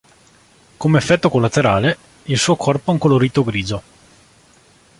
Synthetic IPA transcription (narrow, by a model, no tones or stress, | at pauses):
komeːfːɛt̪ːokolːat̪eɾaːle | ilsuːokʰɔrpoɛuŋkoloɾiːt̪oɡɾiːd͡ʒo